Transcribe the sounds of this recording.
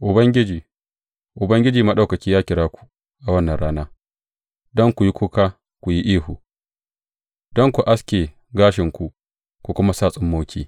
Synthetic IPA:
ʔʊ˨bɐ˦ŋɡʲɪ˦d͡ʒiː˨ | ʔʊ˨bɐ˦ŋɡʲɪ˦d͡ʒiː˨ma˦ɗa˦˨kɐ˨kʲiː˦jaː˦kʲɪ˨ɽaː˦kʷu̥˨ | ʔa˨wɐ˦nːɐ˨nɽaː˦naː˦ | dɔ˦ŋkʷu˨ji˦kʷu˦ka˦ | kʷu˨ji˦ʔiː˦hu˨ | dɔ˦ŋkʷu˨ʔa˦skʲeː˨ | ɡaː˦ʃɪ˨ŋkʷu˨ʔ | kʷu˨kʷʊ˦ma˦saː˦˨sʼɪ˦mːoː˦kʲʰḭː˦

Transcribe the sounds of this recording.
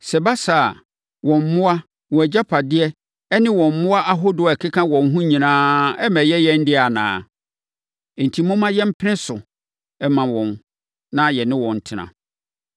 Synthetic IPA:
sɛ˨ba˦sa˨ | wɔ̃˨m̩˨mʊ̃˦a˦ | wɔ̃˨æ˨d͡ʑa˦pʰa˨dɪ˦ɛ˦ | ɛ˦nɪ̃˦wɔ̃˨m̩˨mʊ̃˦a˦ʔa˦ɦo˦dʊ˨ɛ˨kʰɪ˦kʰã˦wɔ̃˨n˦ɦũ˦ɲĩ˨nãː˦ɛ˦mɛ˨jɛ˦jɛ̃˦n̩˦dɪ˦a˨nã̰ː˨ | n̩˨tʰi˨mʊ̃˦mã˦jɛ̃˦m̩˦pʰɪ˦ɪ̃˦sʊ˨ | ɛ˦mã˨wɔ̃˨n | nã˦jɛ˨nɪ̃˦wɔ̃˨n̩˨tʰɪ˦nã̰˨

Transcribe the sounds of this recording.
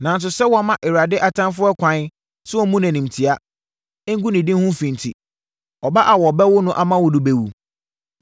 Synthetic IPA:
nã˨n̩˨s̬ʊ˨sɛ˦wɔ˨˦˨mã˦ʔɪ˨ɾa˨dɪ˦ʔa˨tʰã˦nfʊ˦ɛ˦kʷʰã˨˦ | sʊ˦ɔ˦mũ˦næ̃˨nĩ˨m˨tʰi˨a˦ | ŋ̩˦ɡũ˦nɪ̃˨dɪ̃˦nhũ˦fĩ˨n˨tʰi˨ | ɔ˨ba˦ʔa˨wɔ˨bɛ˦wʊ˦nʊ̃˦ʔa˨mã˦wʊ˨dʊ˨be˨wu˨

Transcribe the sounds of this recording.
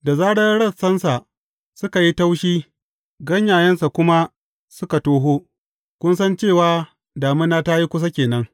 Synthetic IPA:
da˨zaː˦ɽɐ˦ɽɐ˦˨sɐ˦nsa˨ | sʊ˦ka˨ji˦ta˦wʃiː˦ | ɡɐ˦ɲjaː˨jɐ˦nsa˨kʷʊ˦ma˦ | sʊ˦ka˨toː˦ɦoː˦ | kʷʊ˦nsɐ˦nt͡ʃeː˦˨waː˦ | daː˨mɪ˦nːaː˦ta˦ji˦kʷʊ˦s̬a˦kʲeː˨nɐ˦ŋ

